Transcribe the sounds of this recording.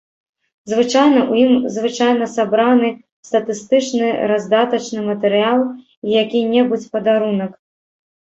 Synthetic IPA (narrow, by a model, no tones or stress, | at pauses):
zvɨt͡ʂajnɐʔujimzvɨt͡ʂajn̪ɐsabɾanɨ | st̪ɐt̪ɨst̪ɨt͡ʂnɨɾazd̪at̪ɐt͡ʂnɨmɐt̪ɛɾɨjalˠ | ijakʲinʲɛbut͡sʲpɐd̪aɾunɐk